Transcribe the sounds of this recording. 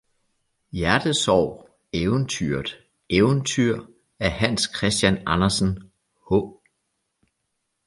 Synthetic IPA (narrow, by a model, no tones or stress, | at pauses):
jæɐd̥əsɒʊ̰ | eʊnt͡sʰy̰ɐdˠ | eʊnt͡sʰyɐ̰ | æɐhæn̰skʰʁɛsd̥jænɑnɐsn̩ | hɔ